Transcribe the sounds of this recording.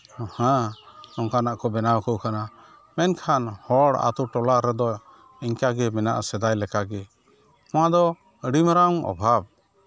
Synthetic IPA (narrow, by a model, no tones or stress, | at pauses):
hɛ̃ɔŋkanaʔkɔbɛnawkɔkana | mɛnkʰanhɔɽa̰t̪uʈɔlaɾɛd̪ɔ | iɲkaɡɛmɛna̰ʔasɛd̪ajlɛkaɡɛ | ɔ̃wad̪ɔ | əɽimɾaŋɔ̰bʱab̚